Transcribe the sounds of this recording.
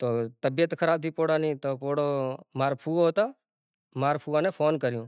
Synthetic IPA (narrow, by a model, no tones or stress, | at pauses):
t̪oːt̪əbɪjət̪kʰəɾaːb̚t̪ʰiːpoːɽaːnĩːt̪oːpoːɽomaːɾpʰuːɦoːt̪aː | maːɾpʰuːʋãːnepʰoːnkəɾjũː